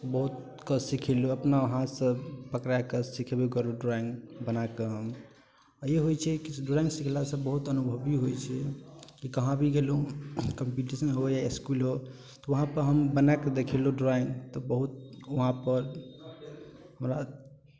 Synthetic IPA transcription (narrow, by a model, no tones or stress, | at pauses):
bəɦut̪ | kəsikʰeluəpnaʋəɦãsə̃pəkɾakesikʰebekəloɖɾaĩŋɡbənakeɦəm | jeɦojt͡ʃʰɛkiɖɾaĩŋɡsikʰlasə̃bəɦut̪ənubʱəbiɦojt͡ʃʰɛkikəɦãbʱiɡelokəmpiʈisənɦojaiskulɦo | t̪ɔʋəɦãpəɾɦəmbənaked̪ekʰeloɖɾaĩŋɡt̪ɔbəɦut̪̚əɦãpəɾ | ɦəmɾa